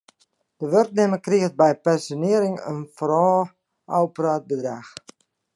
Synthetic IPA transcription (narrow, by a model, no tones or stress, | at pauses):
d̥əʋørknɪməkriəxt̚bɛjpɛnsjonɪəɾɪŋə̰nfrɔː | awpəraːt̚bədrax